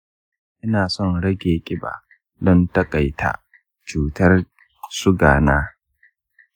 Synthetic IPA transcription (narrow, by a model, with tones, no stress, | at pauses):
ʔɪ˦naː˨sɔ˦nɽɐ˦ɡʲeː˨kʲʼɪ˦ba̰˨ | dɔ˦ntɐ˦kʼa˨jtʰa̰˨ | t͡ʃuː˨tɐ˦r | sʊ˦ɡaː˨naː˦